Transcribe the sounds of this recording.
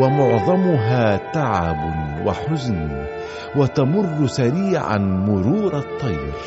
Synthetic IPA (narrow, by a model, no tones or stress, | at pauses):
wamʊʕðˤɑmʊɦaːt̪aʕabwʔa̰ħʊzn | wat̪amʊrˤːʊsaɾiːʕa̰nmʊɾuːɾˤɑt̪ˤːɑjɾ